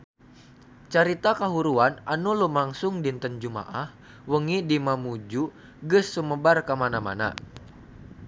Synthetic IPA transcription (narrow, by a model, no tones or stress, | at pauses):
t͡ʃaɾit̪akaɦuɾuananulumaŋsʊŋdint̪ənd͡ʒuma̰ʔah | wəŋidimamud͡ʒu | ɡɨsːuməbarkamanama̰na̰